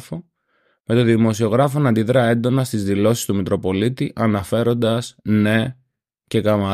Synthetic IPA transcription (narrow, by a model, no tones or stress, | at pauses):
fo | me̞t̪o̞ðimo̞sio̞ɣɾɐfo̞nɐnd̪iðɾeɐe̞nd̪o̞nɐst̪izðilo̞si̥st̪umit̪ɾo̞po̞lit̪iʔɐnɐfe̞ɾo̞nd̪ɐsne̞ | ce̞kɐmɐ